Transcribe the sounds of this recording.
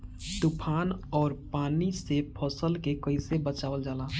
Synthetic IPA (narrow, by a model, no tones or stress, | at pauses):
t̪upʰaːnɔːɾpaːnisepʰɔːsəlkekəɪsebət͡ʃaːʋəld͡ʒaːlaː